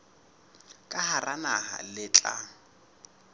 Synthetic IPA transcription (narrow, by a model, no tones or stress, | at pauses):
kʼaharanaha̰lɪt͡ɬʼa̰